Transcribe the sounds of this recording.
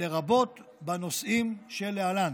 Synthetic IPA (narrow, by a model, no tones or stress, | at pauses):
eʁabo̞t̪bano̞sʔimʃelealan